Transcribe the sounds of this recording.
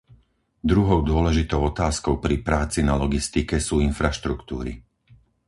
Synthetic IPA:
d̪ɾuɦɔʊd̪ʊɔlɛʒit̪ɔʊɔt̪aːskɔʊpɾipɾaːt͡sinalɔɡist̪ikɛsuːinfɾaʃt̪ɾukt̪ṵːɾḭ

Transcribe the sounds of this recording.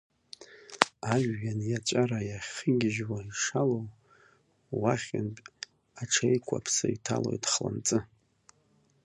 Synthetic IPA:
aʒːanjat͡ʃʷʼaɾajaχʲχəɡʲɪʒwaiʂalow | waχʲɪnpʼ | aʈ͡ʂʰejkʷʰapʰsaitʰalo̞̰jtχla̰nt͡sʼɨ

